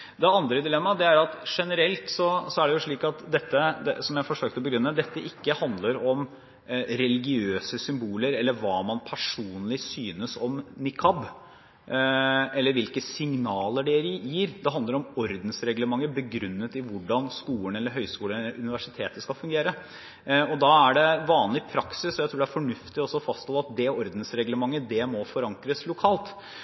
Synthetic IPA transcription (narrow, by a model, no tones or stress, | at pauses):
d̪ɛɑnd̪ɾəd̪ɪlɛmːɑd̪ɛæɾɑt̪ʂɛnəɾɛlt̪sɔsɔæɖɛjʊʂɭiːkɑt̪d̪ɛt̪ːəd̪ɛsɔmjæɪfɔʂøːk̚t̪əɔbəɡɾʉnːəd̪ɛt̪ːəʔɪkːəhɑnd̪ləɾɔm | ɾɛlɪɡɪøːsəsʏmbuːləɾɛlːəɾʋɑːmɑnpʰæʂuːnlɪsyːnəsɔmnɪkʰɑb | ɛlːəɾʋɪlkəsɪŋnɑːləɖɛɾjiːɾd̪ɛɦɑnd̪əɾɔmɔɾd̪n̩sɾɛɡləmɑŋːəbəɡɾʉnːət̪ɪʋʊɖɑnskuːəɳɛlːəɾɦœʏskuːlənɛəɾʉnɪʋæʂɪt̪ʰeːt̪əskɑlfʉŋɡeːɾə | ɔd̪ɑːæɖɛʋɑːnlɪpʰɾɑksɪsɔjæɪt̪ʰɾuːɖɛæɾfɔɳʉft̪ɪɔsɔfɑst̪hɔlɑt̪̚d̪ɛɔɾd̪n̩sɾɛɡləmɑŋːəd̪ɛmɔfɔɾɑŋkɾəslʊkʰɑːlt̪